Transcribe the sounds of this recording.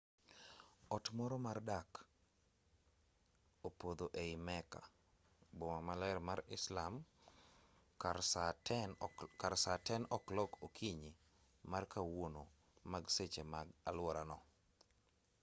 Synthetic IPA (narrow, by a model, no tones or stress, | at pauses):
ɔtmɔɾɔmardak | opod̪oʔeɪmɛka̰ | bɔmamalɛɾmaɾɪslam | aankaɾsatɛnɔklɔkokʰiɲi | markawono | maɡset͡ʃemaɡalwɔɾanɔ